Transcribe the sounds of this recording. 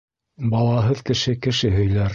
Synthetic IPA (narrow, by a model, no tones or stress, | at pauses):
bɑlˠɑɦɤðkɘ̆ʃɘkɘ̆ʃɘɦɵ̆jlæɾ